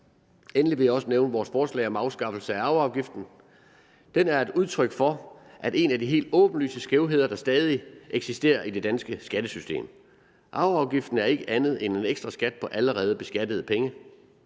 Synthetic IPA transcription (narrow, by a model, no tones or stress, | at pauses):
enliʋe̝jäɒ̽səneʊnəʋɒːsfɒːslɛ̰ɪɒ̽mɑ̈ʊsɡ̥ɑ̈fl̩səæɑ̈ʊɑ̈ʊɡ̥ifd̥n̩ | d̥enæɐe̝d̥uð̞ˠt͡sʰʁœɡ̥fɒ̽ | ʔæd̥e̝næd̥iɦe̝̰ːld̥ɔ̽ːb̥n̩ly̰ːsəsɡ̥eʊɦe̝ðˠɐd̥ɑ̈sd̥ɛːð̞ˠiʔeɡ̥sisd̥e̝̰ːɐʔid̥e̝d̥ænsɡ̥əsɡ̥æd̥əsysd̥e̝̰ːm | ʔɑ̈ʊɑ̈ʊɡ̥ifd̥n̩æɐe̝ɡ̥əʔænð̩ˠene̝neɡ̥sd̥ʁɐsɡ̥æd̥̚pʰɒ̽ʔæləʁɛːð̞̩ˠb̥e̝sɡ̥æd̥əð̞̩ˠəpʰeŋə